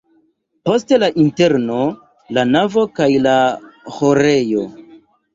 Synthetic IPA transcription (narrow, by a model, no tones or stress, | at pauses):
po̞ste̞laʔinte̞ɾno̞ | lanavo̞kajlahoɾe̞jo̞